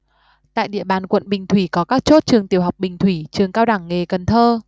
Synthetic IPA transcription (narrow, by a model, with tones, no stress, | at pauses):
t̪a̰ː˧˨jɗḭ˧˨əɓaː˨˩nkwə̰˧˨nɓï˨˩ŋ̟t̪ʰwi˧˩kɔ˨˦kaː˦˥k̚t͡ɕo˦˥t̚t͡ɕɨ˨˩əŋt̪i˨˩əwɦa˨˩wk͡p̚ɓï˨˩ŋ̟t̪ʰwi˧˩t͡ɕɨ˨˩əŋkaː˧wɗa˧˩ŋːe˨˩kə˨˩nt̪ʰəː˧